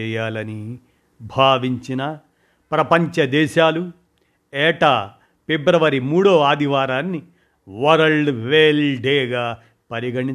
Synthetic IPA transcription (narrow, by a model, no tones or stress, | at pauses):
ɛːjaːlɐni | bʱaːʋiɲt͡ʃinɐ | pɾɐpɐɲt͡ʃɐd̪ɛːʃaːlu | ɛːʈaː | pebɾɐʋɐɾimuːɽoːaːd̪ʱiʋaːɾaːnːi | ʋɐɾɐɭɖʋeːlɖeːɡaː | pɐɾiɡɐɳi